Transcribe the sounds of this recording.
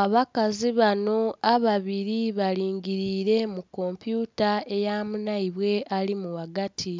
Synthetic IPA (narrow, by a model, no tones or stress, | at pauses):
aβakaziβano̞aβaβiɾiβaliːŋɡiɾiːɾe̞mukːo̞mpjuːtae̞jaːmunaiβwe̞ʔalimuwaɡatʰi